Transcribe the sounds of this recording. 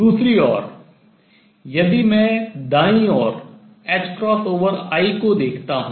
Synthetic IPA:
d̪uːsɾiɔːɾ | jɐd̪imɛ̃d̪aːĩɔːɾ | ɛːt͡ʃkɾɔːsoːʋəɾaːikod̪eːkʰt̪aɦũː

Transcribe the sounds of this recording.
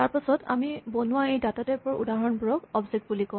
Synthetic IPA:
taɹpasɔta̰mibɔnuwaejdatatɛpɔɹṵdaɦɔnbʊɹɔkɔbziɡ̚bulikɔ̃

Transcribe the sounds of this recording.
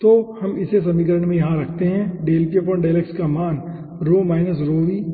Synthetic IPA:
t̪oːhɐmɪsesɐmik̬əɾəɳmẽjɐɦãɾɐkʰt̪eɦɛ̃ɖeːlpiep̬əɳɖeːlekskamaːn | ɾoːmaːɪnəs̬ɾoːʋiː

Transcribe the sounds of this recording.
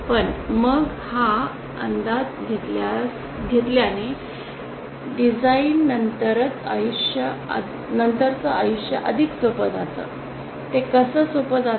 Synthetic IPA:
pəɳməɡ | ha | ənd̪at̪̚ɡʱet̪las | ɡʱet̪ljani | ɖid͡zainːənt̪əɾət͡sa̰juɕjəa̰ | nənt̪əɾt͡səajuʂjə̰ʔəd̪ʱiksopəd͡zat̪ə̰ː | t̪ekəsəːsopəd͡za

